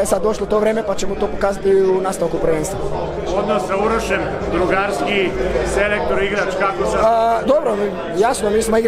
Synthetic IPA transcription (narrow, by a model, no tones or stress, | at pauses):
esad̪d̪o̞ʃlˠot̪o̞ːʋɾeːmepat͡ɕemut̪oːpokaːzat̪iunaːst̪aʋkupɾʋeːnst̪ʋo | od̪nosːauɾoʃem | d̪ɾuɡaɾskiselek̚t̪oɾuiɡɾat͡ʃkakosad̪obɾo | jasnomiːsmoiɡ